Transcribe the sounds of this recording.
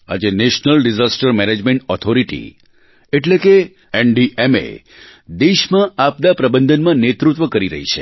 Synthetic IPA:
a̰d͡ʒeneʃnəlɖizasʈəɾmɛned͡ʒmẽɳʈɔt̪ʰoɾiʈḭ | eʈleke | ɛnɖiʔemḛ | d̪eʃmãʔap̚d̪apɾəbənd̪ʱənmãnet̪ɾut̪ʋəkəɾiɾə̰ɦit͡ʃʰe

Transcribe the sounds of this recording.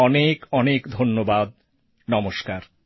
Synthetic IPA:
ɔnekɔnekd̪ʱonːobad̪̚ | nɔmoʃkaɾ

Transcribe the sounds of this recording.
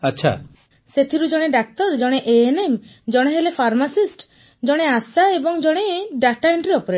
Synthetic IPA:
aːʃʰa̰ | set̪ʰiɾud͡ʒɔɽ̃eɖak̚t̪ɔɾd͡ʒɔɽ̃eʔeenem | d͡ʒɔɽ̃eɦelepʰaɾmasisʈ | d͡ʒɔɽ̃easaebɔŋd͡ʒɔɽ̃eɖaʈaeɳʈɾiɾɔpɔɾe

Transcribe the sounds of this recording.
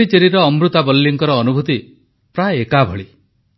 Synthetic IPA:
it͡ʃeɾiɾɔːmɾut̪abɔlːiŋkɔɾɔːnubʱut̪i | pɾaekabʱɔɭi

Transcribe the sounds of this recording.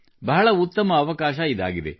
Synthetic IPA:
bɐɦɐɭɐut̪ːɐmɐːʋɐkaːʃɐid̪a̰ːɡid̪ḛ

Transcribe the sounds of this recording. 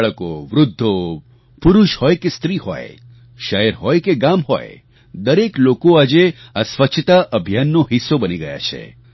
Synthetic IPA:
ɭko̰ʋɾʊd̪ʱːo | puɾuʃhɔjkest̪ɾihɔ̰j | ʃəɦɛɾɦɔjkeɡamɦɔ̰j | d̪əɾeklokoad͡ʒeasʋəkt͡ʃʰət̪aʔəbʱjanːoɦisːobəniɡəja̰t͡ʃʰḛ

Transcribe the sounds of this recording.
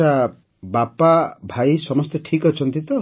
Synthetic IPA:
a | bapabʱajsɔmɔst̪eʈʰikɔt͡ʃʰɔnt̪it̪ɔ

